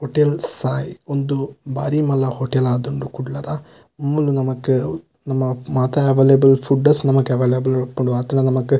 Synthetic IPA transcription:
ɦoʈelsaːjɔnd̪ubaːɾimɐlːɐhoʈelaːd̪uɳɖukuɽɭːɐðaː | mːulunɐmɐkːɯ | nɐmːɐmaːt̪ɐɐʋeːlebɐlfuɖɐsnɐmɐkːɯɐʋeːlebɐlɐpːɐɳɖuʋɐt̪ːɐnɐnɐmɐkːɯ

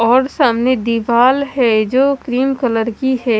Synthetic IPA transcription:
ɔːɾsɐmned̪iʋaːlɦɛːd͡ʒoːkɾiːmkələɾkiɦɛː

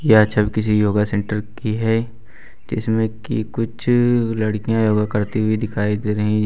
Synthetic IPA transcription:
jaɐtːʃʰabikɪsijoːɡasẽːɳʈəɾkiɦɛː | d͡ʒɪsmẽkḭkʊt͡ʃʰlɐɽkijãjoːɡakɐɾt̪iɦʊid̪ɪkʰaːid̪eːɾɐɦĩ

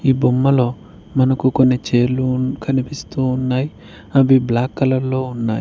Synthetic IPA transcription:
iːbumːɐloː | mɐnɐkukonːet͡ʃeːlukʰɐnipist̪uːnːaj | ɐbiblaːkːɐlɐlːoːunːaːj

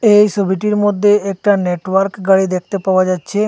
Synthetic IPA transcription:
ejsəbʱiʈiɾmod̪ʱːjeek̚ʈaneʈʋaɾkɡaɽɭid̪ekʰt̪epaʋad͡ʒat͡ʃʰe

